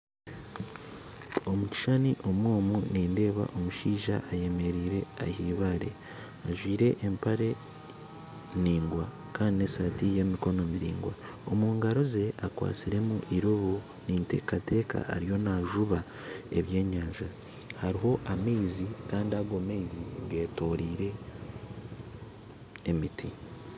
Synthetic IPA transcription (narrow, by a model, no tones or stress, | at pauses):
o̞muci̥ʃaniʔo̞mwoːmuniːnde̞ːβa̰ʔo̞muʃiːʒaʔːje̞me̞ɾiːɾe̞a̰hiːβaːɾe̞̰ | aʒwiːɾe̞ʔːmpaɾe̞ | niːŋɡwa | kaːndinesatije̞miko̞no̞miɾḭːŋɡwa̰ | o̞muːŋɡaɾo̞ze̞ʔakwa̰ːt͡siɾe̞muʔiɾoβu | ninte̞̰ːkate̞ːka̰a̰ɾijo̞naʒuβa | e̞̰βje̞ːɲaːʒa | haɾiɦo̞ʔameːzikaːndiaɡomeiziŋɡe̞ːto̞ɾiːɾe̞ | miti